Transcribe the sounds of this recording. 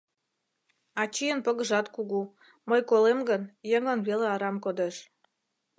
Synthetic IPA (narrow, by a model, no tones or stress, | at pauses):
ɑt͡ɕijənpəɣəʒɑt̪kuɣu | məjkolemɡənjəŋənβeleɑɾɑmkod̪eʃ